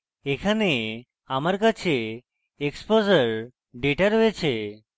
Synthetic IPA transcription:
ekʰane | aməɾkat͡ʃʰe | ekspozəɾ | ɖeʈaɾoet͡ʃʰe

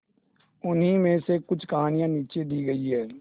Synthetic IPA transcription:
ʊnɦimẽsekʊt͡ʃʰkɐɦaːnijãniːt͡ʃed̪iːɡɐiɦɛː

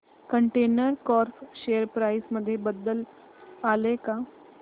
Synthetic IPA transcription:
kə̃ɳʈeːnəɾkɔːɾfʃejəɾpɾaːɪsmɐd̪ʱjebəd̪əl | aːleka

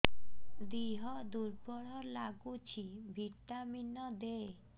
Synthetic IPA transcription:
d̪iɦɔd̪uɾpɔɽɔɾlaɡut͡ɕʰibʱit̪ːaminɔd̪e

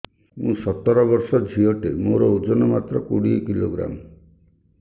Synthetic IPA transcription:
mũsɔt̪ːɔɾɔbɔɾsɔd͡ʒʱiɔʈemoɾɔud͡ʒɔnɔmat̪ɾɔkuɽikiloɡɾa̰m

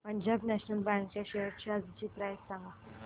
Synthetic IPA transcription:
pəɲd͡ʑabnæɕnəlbãŋk̚t͡ɕjaɕeɦəɾt͡ɕiad͡zit͡ɕiːt̪ɾajsãŋɡa

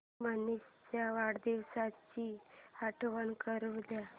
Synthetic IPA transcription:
manist͡ɕjaʋaɽd̪iʋsat͡ɕihaʈʰʋənkəɾuʋd̪ja

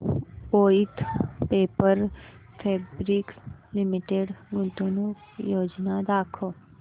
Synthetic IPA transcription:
oːit̪ʰpeːpəɾpʰeːbɾikslɪmɪʈeɖɡʊnt̪onũ | joːd͡ʒnad̪aːkʰoː

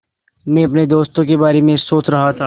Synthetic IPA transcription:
mɛ̃ɐpned̪oːst̪õkebaːɾemẽsoːt͡ʃɾɐɦat̪ʰaː

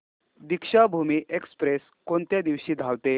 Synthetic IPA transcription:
d̪ikʂabʱumiːʔekspɾes | kont̪jad̪iʋɕiːd̪ʱaʋt̪e

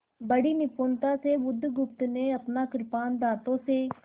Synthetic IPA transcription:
bəɽiːnɪpoːnt̪ãːseːʋʊd̪ʱːɡʊpt̪neːəpnaːkɪɾpaːnd̪aːt̪õːseː

